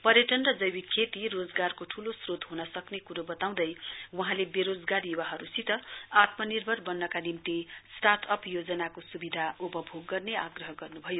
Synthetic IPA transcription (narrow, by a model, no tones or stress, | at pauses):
pʌɾjʌʈʌnrʌd͡zʌjwikʰet̪irod͡zɡarkoʈʰulosrot̪ɦunʌsʌknekuɾobʌt̪aw̃d̪ʌjwʌɦãlebeɾod͡zɡaɾjuwaɦʌɾusit̪ʌat̪mʌnirbʱʌrbʌnːʌkanimt̪isʈat̪ʰʌpjod͡zʌnakosubid̪ʱaupʌbʱoɡːʌrneaɡrʌɦʌɡʌrnubʱʌjo